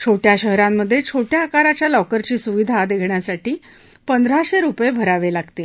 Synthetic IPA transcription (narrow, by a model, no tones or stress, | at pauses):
t͡ɕʰoʈjaɕəɦɾamːəd̪ʱːjet͡ɕʰoʈjaːkaɾat͡ɕjalɔkəɾt͡ɕiːsuʋid̪ʱad̪ekʰɳjasaʈiː | pənd̪əɾaɕeɾupjebʱəɾaʋelaɡt̪e